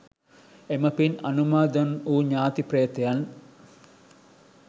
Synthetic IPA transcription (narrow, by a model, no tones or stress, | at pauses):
emɐpinɐnumaːd̪ɐnuːɲaːt̪iprɐjɐt̪ejan